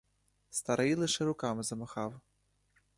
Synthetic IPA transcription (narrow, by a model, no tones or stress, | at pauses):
st̪aɾɨilˠɨʂɨɾukamɨzɐmaxaw